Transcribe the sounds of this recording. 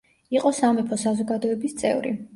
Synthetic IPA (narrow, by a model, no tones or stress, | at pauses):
iqʼɔsamɛpʰɔsazɔɡad̪ɔɛbist̪sʼɛ̰vɾḭ